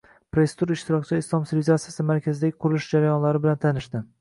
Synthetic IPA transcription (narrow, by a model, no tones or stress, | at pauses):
pɾoest̪uɾaɪʃt̪ʰɪɾɒkʲt͡ʃʰɪɪslˠɒmsilʲizat̪sijasɪmaɾkʲʰazɪd̪aɡʲɪqʰʊɾɪlɪʃd͡ʒaɾajɒnlaɾɪbɪlant̪ʰanɪʃt̪ɪ